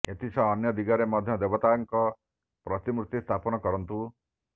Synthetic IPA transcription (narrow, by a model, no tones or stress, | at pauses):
et̪isɔːnjɔd̪iɡaɾemɔd̪ʱjɔd̪ebɔt̪aŋkɔ | pɾɔt̪imɾut̪ːist̪ʰapɔnɔkɔɾɔnt̪u